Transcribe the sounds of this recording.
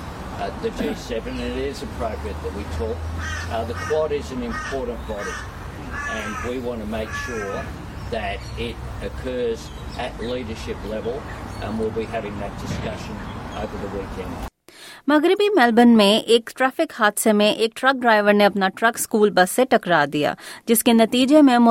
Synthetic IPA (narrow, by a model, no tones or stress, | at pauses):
ðɨd͡ʒisɛvɨ̃nɨ̃ɾɪzɨpʰɹ̥oʊɡɹɛt̪̚ðɨt̚witʰɔk̚ðɨkʰw̥ɑɾizɨ̃nɨ̃mpʰɔɹʔn̩b̥ɑɾɪ | ɨ̃nwiwɑ̃ntʰɨmeɪkʃʊɹ | ðɨɾ | ɪɾ | ɨkʰɜ˞z | ʔɨtliɾə˞ʃɪplɛvəl̩ˠə̃nwilˠbiɦævɪ̃ŋðɨt̚d̥ɨskʌʃɨ̃noʊvə˞ðəwikʰɛ̃nd̥mɐɡɾɪbimɛːlbənmẽʔeːkʈɾɛːfɪkhaːd̪semẽʔeːk̚ʈɾɐk̚ɖɾaːɪʋəɾneɐpnaʈɾɐkskuːlbɐsːeʈɐkɾaːd̪ija̰ːd͡ʒɪskenɐt̪iːd͡ʒemẽmʊ